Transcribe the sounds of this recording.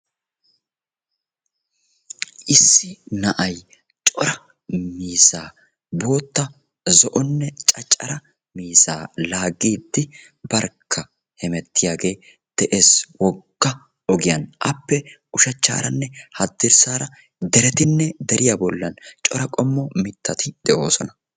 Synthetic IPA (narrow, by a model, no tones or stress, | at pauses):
ʔɪsːɪnɐʔɐj | t͡ʃʼɔɾɐ | miːsaː | bo̞ːt̪ːɐ | zɔʔɔnːɛt͡ʃʼɐt͡ʃʼːɐɾɐ | miːsa̰ːlaːɡiːd̪ːɪ | bɐɾkʰːɐ | hɛmɛt̪ːɪjaːɡe̞ː | d̪̥ɛʔeːswɔɡːɐ | ɔɡɪjɐnʔɐpːɛʊʃɐt͡ʃːa̰ːɾɐnːɛhɐd̪ːɪɾsaːɾɐ | d̪ɛɾɛt̪ɪnːɛd̪ɛɾɪjabɔlːɐnt͡ʃʼɔɾɐkʼɔmːɔmɪt̪ːɐt̪ɪd̪̥ɛʔo̞ːsɔnɐ